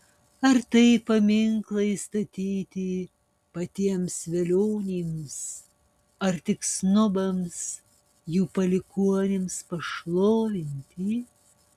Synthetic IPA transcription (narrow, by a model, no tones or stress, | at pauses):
ɐɾt̪ɐɪpɐmʲɪŋklˠɐɪst̪ɐt̪ʲiːt̪ʲi | pɐt̪ʲiɛmsʋʲɛlʲoːnʲiːms | ɐɾt̪ʲɪksnʊbɐms | juːpɐlʲɪkuɔnʲɪmspɐʃlˠoːʋʲɪnʲt̪ʲiː